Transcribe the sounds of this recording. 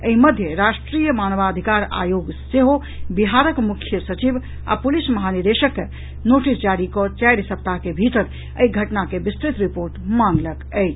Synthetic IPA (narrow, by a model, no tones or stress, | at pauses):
əɦiməd̪ʱjəɾasʈɾijəmanʋad̪ʱikaɾa̰joɡseɦo | biɦaɾəkmukʰjəsət͡ʃib | a̰pulisməɦaniɾd̪eʃəkːe | noʈisd͡ʒaɾikɔt͡ʃajɾsəp̚t̪akebʱit̪əɾ | ə̰iɡʱəʈnakebist̪ɾit̪ɾipoɾʈmanləkəjt͡ʃ